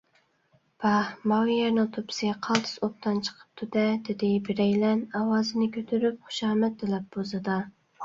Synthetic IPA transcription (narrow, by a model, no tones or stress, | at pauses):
b̥ɑhmɑwjɛɾnɨŋt̪ʰopʰɪ̥sʲqʰɑlˠt̪ʰɨ̥sop̚t̪ʰɑnt͡ʃʰə̥qʰə̥p̚t̪ʰud̪ɛd̪ɪd̪ɪbɪɾɛjlɛnɑwɑːzɨnɪkʲʰøt̪ʰyɾyp̚χʊ̥ʃɑːmɛt̪̚d̪ɪlɛp̚bozɨd̪ɑ